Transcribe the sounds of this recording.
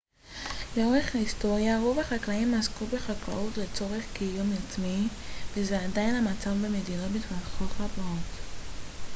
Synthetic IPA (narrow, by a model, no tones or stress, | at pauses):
jaʁeχhaisto̞ʁjaʁo̞vaχaklaimːaskubeχakla̰ʔutle̞t͡so̞ʁe̞χkijumjat͡smivezeadajnhamat͡savbemedinabitvaχoχabaot